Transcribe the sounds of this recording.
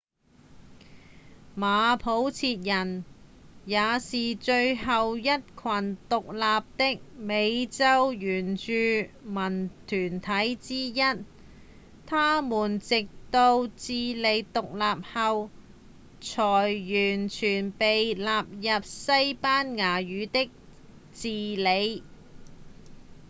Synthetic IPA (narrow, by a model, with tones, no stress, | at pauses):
maː˨˧pʰo˨˥wt͡sʰiː˧t̚jɐ˨˩n | jaː˨˧siː˨t͡ʃɵ˧ɥɦɐ˨wjɐ˥t̚kʰɐ˨˩nt̪ʊ˨k̚laː˨˧p̚t̪ɪ˥k̚me˨˧jt͡sɐ˥wjyː˨˩nt͡ʃyː˧mɐ˨˩nt̪ʰyː˨˩nt̪ʰɐ˨˥jt͡siː˥jɐ˥t̚ | t̪ʰaː˥muː˨˩nt͡sɪ˨k̚t̪o˧wt͡siː˧le˨˧jt̪ʊ˨k̚laː˨p̚hɐ˨˧w | t͡ʃʰɔː˨˩jjyː˨˩nt͡ʃʰyː˨˩npe˨jlaː˨p̚jɐ˨p̚sɐ˥jpaː˥nŋaː˨˩jyː˨˧t̪ɪ˥k̚ | t͡siː˨˧le˨˧j